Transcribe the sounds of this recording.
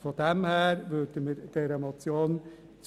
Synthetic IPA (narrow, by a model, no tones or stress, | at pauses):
fɔd̪ɛmhæːɾʋødəmɪd̥̪eːɾəmɑt͡sjoːn | t͡s